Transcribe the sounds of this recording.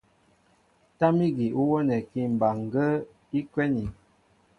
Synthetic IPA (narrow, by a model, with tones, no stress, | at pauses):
ta˦mi˦ɡi˨ʔu˦wə˦nɛ˨ki˦m̩˨ba˨ŋ˨ɡə˦ | i˦kwɛ˦ni˨